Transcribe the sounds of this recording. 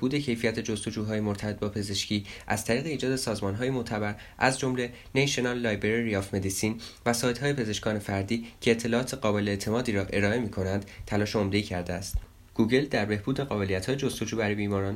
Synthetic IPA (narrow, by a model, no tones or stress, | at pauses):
buːd̪e̞cʰe̞jfijæt̪ʰed͡ʒost̪o̞d͡ʒuːɦɒːjemo̞ɾt̪ʰæbe̞t̪̚bɒːpʰe̞ze̞ʃcʰiːʔæz̥t̪ʰæɾiːɣe̞iːd͡ʒɒːd̪e̞sɒːzmɒːnɦɒːjemot̪ʰæbæɾ | ʔæzd͡ʒo̞mle̞ | neʃonɒlːɒːjbeɾiɾijɒfme̞d̪isiːnvæsɒːjd̪ɦɒːje̞pʰe̞ze̞ʃkɒːne̞fæɾd̪iːcʰe̞ːt̪ʰːe̞lɒːɒːt̪ʰeɢɒːbe̞leːt̪ʰe̞mɒːd̪iːɾɒːʔe̞ɾɒːe̞miːkʰo̞nænd̪̥t̪ʰælɒːʃeomd̪e̞icʰæɾd̪eæst̪ | ɡ̥uːɡe̞ld̪æɾbe̞hbuːd̪eɣɒːbe̞lijæt̪hɒːjed͡ʒost̪o̞d͡ʒuːbæɾijbiːmɒːɾɒːn